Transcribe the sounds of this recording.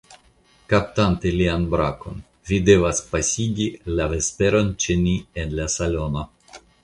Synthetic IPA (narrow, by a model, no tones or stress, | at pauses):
kapt̪ant̪elianbɾako̞̰n | vid̪evaspasʲiɡʲilavespeɾo̞nt͡ʃenienlasalo̞no̞